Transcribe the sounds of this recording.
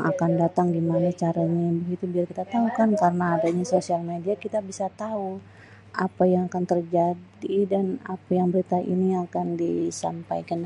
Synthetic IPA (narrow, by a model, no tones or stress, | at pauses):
ŋakandat̪aŋɡimanat͡ʃaɾaɲabəɡit̪ubiarkit̪at̪aukankarənaːdaɲasosialmediakit̪abisat̪au | ʔapajaŋakant̪ərd͡ʒadidanapajaŋbəɾit̪aʔḭniakandisa̰mpajkan